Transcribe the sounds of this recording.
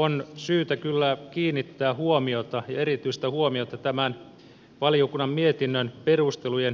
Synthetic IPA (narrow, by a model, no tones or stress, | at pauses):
onsyːt̪ækylːækiːnːit̪ːæːhuomiot̪ɑjɑeɾit̪yist̪æhuomiot̪ɑt̪æmæn | ʋɑliokunːɑmmiet̪inːønperust̪elujen